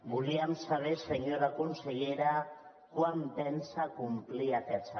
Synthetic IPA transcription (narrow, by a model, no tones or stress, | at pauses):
ɡuliamsaβeseɲoɾakonseʎeɾa | kwamp̪ensakumpliat̪eat͡sa